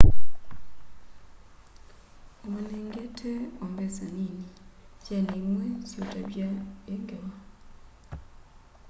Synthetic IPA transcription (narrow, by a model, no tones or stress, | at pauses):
ɔnɛŋɡɛtʰɛɔmbɛzaninit͡ʃaniŋwɛsɔdʼaɓiaeŋɡɛwa